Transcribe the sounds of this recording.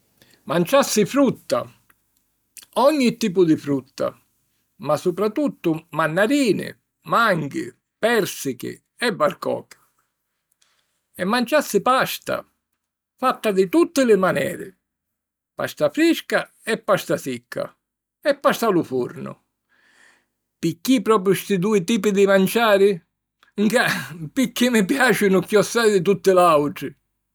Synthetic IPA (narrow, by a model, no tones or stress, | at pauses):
mant͡ʃasːɪfɾut̪ːa̰ | ɔɲːit̪ːiːp̬ʊd̪ɪfɾut̪ːa̰ | masːupɾat̪ut̪ːʊmanːaɾiːnɪ̰ | maŋɡɪ̰ | pɛɾsɪkɪ̰ | ɛbːaɾkɔ̰ːkḁ | ɛmːant͡ʃasːɪpast̪a̰ | fat̪ːad̪ɪt̪ut̪ːɪlɪmanɛ̰ːɾɪ̰ | pa̰st̪afɾiska | ɛpːast̪asikʰːa̰ | ɛpːast̪alufuɾnʊ̰ | pɪkːipɾɔːp̬ɾjʊst̪ɪd̪uːɪt̪iːpɪd̪ɪmant͡ʃaːɾɪ | ŋkapɪkːimɪpjaːt͡ʃɪnʊkjɔsːaːɾɪd̪ɪt̪̬ut̪ːɪlawʈɾɪ